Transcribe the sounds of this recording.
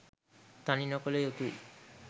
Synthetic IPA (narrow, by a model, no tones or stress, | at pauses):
t̪aninɔkolejot̪uj